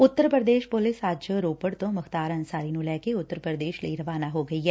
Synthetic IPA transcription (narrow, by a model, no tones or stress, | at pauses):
ʊt̪ːəɾpɾəd̪eːʃpʊlɪsaːd͡ʒɾoːpəɽt̪õːmɐkt̪aːɾɐ̃nsaːɾinũlɛːkeʊt̪ːəɾəpɾəd̪eːʃlə̰iɾɐʋaːnaɦoɡɐiɦɛː